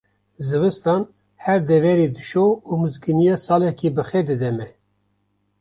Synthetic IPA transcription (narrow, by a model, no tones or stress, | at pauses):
zɨvɨst̪ɑːn | hæɾd̪ɛvɛɾid̪ɨʃoumɨzɡɨnijɑːsɑːlɛkʰibɨxɛd̪ɨd̪ɛmɛ